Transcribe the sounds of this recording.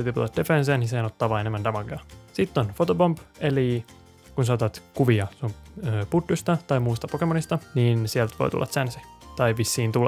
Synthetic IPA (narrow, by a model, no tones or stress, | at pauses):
set̪iput̪ɑt̪d̥̪efenseːniseːnot̪ːɑːʋɑːenemːænd̪ɑmɑɡɑsit̪ːonfot̪opompeli | kunsɑːt̪ɑt̪kuʋiɑsmøput̪ːust̪ɑt̪ɑjmuist̪ɑpokemonist̪ɑniːnsielt̪ʋo̰t̪ṵlːɑ̰t̪sænsi̥ | t̪ɑiʋisːiːnt̪ulːɑ